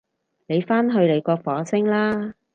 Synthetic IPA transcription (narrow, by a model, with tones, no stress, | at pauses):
ne˨˧jfaː˥nɦɵ˧ɥle˨˧jkɔː˧fɔː˨˥sɪ˥ŋlaː˥